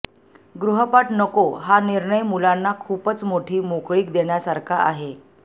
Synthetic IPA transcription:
ɡɾuɦəpaʈnəkoɦaniɾɳəjmulanːakʰuːpət͡smoʈʰiːmokɭiːkd̪eɳjasaɾkʰaʔaɦe

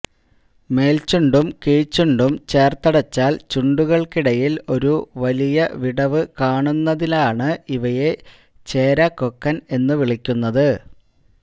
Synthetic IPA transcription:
me̞ːlt͡ɕuɳɖumkiːt͡ɕːuɳɖumt͡ɕe̞ːrt̪ɐɽɐt͡ɕːaːlt͡ɕuɳɖuɣɐɭkiɽɐjilo̞ɾuʋɐlijɐʋiɽɐʋɨkaːɳunːɐðilaːɳɨiʋɐje̞ | t͡ɕe̞ːɾɐkːokːɐne̞nːɨʋiɭikʲːunːɐðɨ

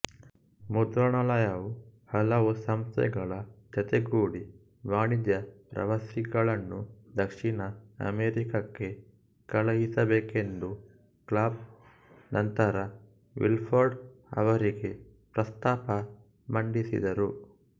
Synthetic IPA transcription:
mud̪ɾɐɳɐlɐjɐʋuhɐlɐʋusɐmst̪ʰɛ̰ɡɐɭɐt͡ʃɐt̪eɡuːɽi | ʋaːɳid̪jɐpɾɐ̰ʋɐsiɡɐɭɐnːud̪ɐkʂinɐɐ̰meɾikɐkːe̞ | kɐɭɐɦisɐbeːke̞nd̪u | klaːb̚ | nʔɐnt̪ɐɾɐ | ʋḭlpʰoɾɖɐ̰ʋɐɾiɡe̞ | pɾɐst̪aːpɐ | mɐɳɖisḭd̪ɐɾu

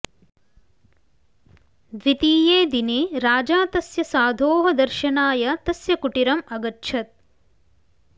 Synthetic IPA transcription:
d̪ʋit̪iːjeːd̪ineɾaːd͡ʒaːt̪ɐsjɐsaːd̪ʱoːɦɐd̪ɐɾʃɐnaːjɐt̪ɐsjɐkuʈiɾɐmɐɡɐtːʃʰɐt̪̚

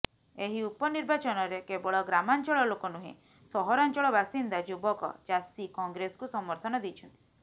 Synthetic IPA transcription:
eɦiupɔniɾbat͡ʃɔnɔɾekebɔɭɔɡɾamant͡ʃɔɭɔlokɔnuɦḭ̃ | sɔɦɔɾant͡ʃɔɭɔbasind̪ad͡ʒubɔkɔ̰d͡ʒasikɔŋɡɾesɔ̥kusɔmɔɾt̪ʰɔnɔd̪it͡ʃʰɔnt̪i̥

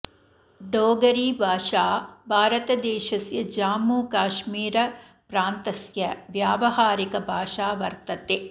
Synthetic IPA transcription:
ɖoːɡɐɾiːbʱaːʂaːbʱaːɾɐt̪ɐd̪ɛːʃɐsjɐd͡ʒaːmuːkaːʃmiːɾɐ | pɾaːnt̪ɐsjɐʋjaːʋɐɦaːɾikɐbʱaːʂaːʋɐɾt̪ɐt̪e

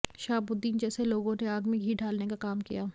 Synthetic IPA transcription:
ʃaːbʊd̪ːiːnd͡ʒɛːseloːɡõneaːɡmiɡʱiːɖʱaːlnekakaːmkḭjaː

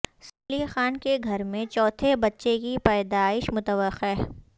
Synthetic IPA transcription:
sɐːlixaːnkeɡʱɐɾmẽt͡ʃɔːt̪ʰebɐtːʃekipɛːd̪aːɪʃmʊt̪əʋəqːe

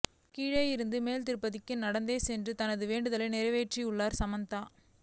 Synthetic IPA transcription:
kiːɻɐjɪɾɯnd̪ɯmeːlt̪ɪɾɯpːɐðɪkːɯnnɐɽɐnd̪eːsɛndrɯt̪ɐnɐðɯʋeːɳɖɯðɐlɐnɪɾɐʋeːʈriʊɭːaːɾsɐmɐnt̪aː

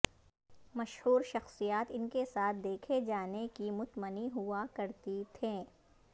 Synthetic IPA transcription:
mɐʃhuːɾʃɐxsijaːt̪ɪnkesaːt̪̚ʰd̪eːkʰed͡ʒaːnekimʊt̪məniɦʊakɐɾt̪it̪ʰẽː

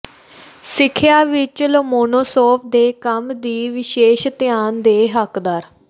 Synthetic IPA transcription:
sɪkʰːjaːʋɪt͡ʃləmoːnoːsoːp̚ʰd̪eːkəmd̪iːʋɪʃeːʃt̪ɪjaːnd̪eːɦəkd̪əɾ

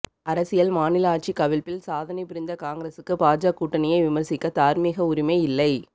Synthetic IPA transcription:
ɐɾɐsɪjɐlmaːnɪlɐaːʈ̚t͡ʃikɐʋɪlpɪlsaːðɐnɪpɪɾɪnd̪ɐkaːŋɡɪɾɐsɯkːɯpaːd͡ʒaːkːuːʈːɐnɪjɐɪʋɪmɐɾsɪkːɐt̪aːɾmiːɣɐʊɾɪmɐɪɪlːɐɪ

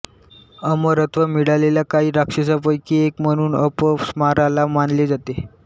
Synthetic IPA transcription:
əməɾət̪ʰʋəmiɽalelakaɦiːɾakʂis̬apəjkiːekm̤əɽ̃uːnəpəsmaɾalamanled͡zat̪e

